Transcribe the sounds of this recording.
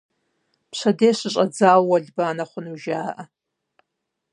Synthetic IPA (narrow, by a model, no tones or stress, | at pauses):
pʂʷadeːʂʷɨɕʼad͡zawwaɮʲbaːnaχʷʊnuʒaːʔa